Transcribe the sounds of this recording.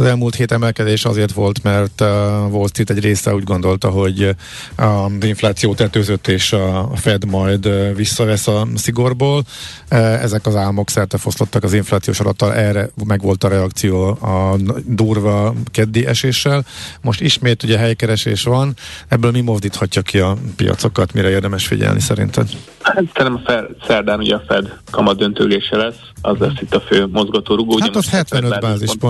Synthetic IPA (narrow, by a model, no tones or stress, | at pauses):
zɛlmuːlt̪heːt̪ɛmɛlkɛd̪eːʃɒ̰zeːrt̪ʋo̞lt̪mɛrt̪volst̪it̪ɛɟreːsɛ̰uːɟɡo̞nd̪o̞lt̪ɒɦo̞ɟ | ɒziɱflaːt̪sijoːt̪ɛt̪øːzøt̪ːeːʃɒːfɛd̪mɒjd̪visːɒvɛsɒsiɡo̞rboːl | ɛ̰zɛkɒzaːlmo̞ksɛrt̪ɛfo̞st̪o̞t̪ːɒkɒziɱflaːt̪sijo̰ːʃɒ̰lɒ̰t̪ːɒlʔɛrɛmɛɡʋo̞lt̪ɒɾɛɒkt̪sijoːɒd̪uːrvɒkɛd̪ːeːʔɛʃeːʃːɛlmo̞ʃt̪iʃmeːt̪uɟɛɦɛjkɛɾɛʃḛːʃʋɒnɛbːøːlmimo̞zd̪iːt̪hɒcːɒkiɒpḭjɒ̰t̪so̞kɒt̪miɾɛeːrd̪ɛmɛʃfḭɟɛ̰lnʔḭsɛ̰ɾḭnt̪ɛ̰m | hat̪sɛnɛmfɛsɛrd̪aːnuɟɛɒfɛd̪kɒmɒd̪ːønt̪ø̰ːleːʃɛlɛsːɒzlɛsːit̪ːɒføːmo̞zɡɒt̪oːɾuɡoːuaɛot̪hɛt̪ʋɛnøːbaːʒziʒbo